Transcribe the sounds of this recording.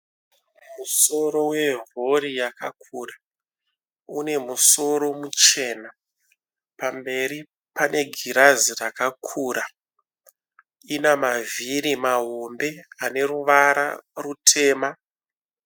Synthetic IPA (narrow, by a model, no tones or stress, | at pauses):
muso̞ɾo̞we̞ɦo̞ɾijakakʰuːra | une̞muso̞ɾo̞mut͡ʃe̞ːna | pambe̞ɾi | pane̞ɡʱiɾazirakakʰuːɾa | inamaviɾimaɦo̞mbe̞ane̞ruʋaɾa̰rutʰe̞ːma